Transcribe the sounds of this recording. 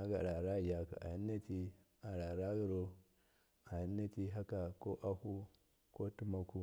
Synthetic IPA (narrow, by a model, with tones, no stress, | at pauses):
a˦ɡa̰˨ɾa˨ɾa˦˨ja˨ka̰˨a̰˨ji˦nːa˦ti˦ | a˨ɾa˨ɾa˦ɡi˦ɾo˦ | a˨ji˦nːa˦ti˦ɦa˦ka˨ko˦ʔa˦hu˦ | ko˦tu˦ma˦ku˦